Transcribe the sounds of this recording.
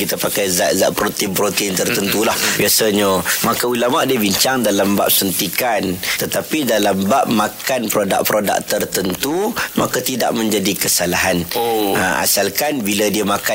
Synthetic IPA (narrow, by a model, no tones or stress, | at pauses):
kit̪apakajzaʔza̰ʔpɾot̪impɾot̪int̪ərt̪ənt̪ulahbiasaɲəmakaulamaʔdiəbiɲt͡ʃaŋdalamba̰ʔ̚sənt̪ikant̪ət̪apidalambaʔmãkanpɾoda̰ʔ̚pɾoda̰k̚t̪ərt̪ənt̪umakat̪ida̰ʔmə̃ɲd͡ʒadikəsalaɦanaa̰salkanbiladiəmaka